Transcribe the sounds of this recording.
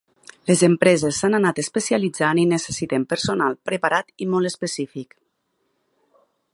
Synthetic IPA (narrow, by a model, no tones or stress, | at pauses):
lezempɾɛzesːananat̪espesialid͡zaninesesit̪empəɾsonalˠpɾəpaɾat̪imɔlˠespesifik